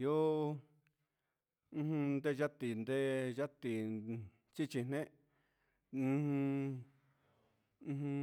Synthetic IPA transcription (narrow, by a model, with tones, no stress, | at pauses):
jo˦˧ | ũ˧hnd̪e˦ʒa˦t̪i˨nd̪e˦ja˦t̪i˨ | t͡ʃi˦t͡ʃi˧n̥nẽ˦ʔ | h